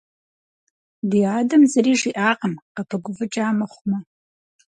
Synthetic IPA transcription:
diaːdɐmzɐriːʐiʔaːqʼəmqɐpʰɐɡʷʊvɨʈ͡ʂʼaːmɐχʷmɐ

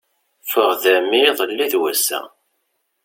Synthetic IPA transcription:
fəʁðæmiðˤəlːiðwæsæ̰

